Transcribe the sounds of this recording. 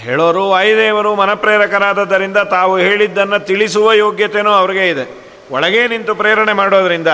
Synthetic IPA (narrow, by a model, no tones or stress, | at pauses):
ɦḛɭoːɾuɐːjd̪eːʋɐɾumɐnɐpɾeːɾɐkɐɾaːd̪ɐd̪ːɐɾind̪ɐt̪aːʋuɦe̞ːɭid̪ːɐnːɐt̪iɭisuʋɐjoːɡjɐt̪e̞nuːɐʋɐɾiɡe̞id̪e | ɔɭɐɡe̞ːnint̪upɾeːɾɐɳemaːɽoːd̪ɐɾind̪ɐ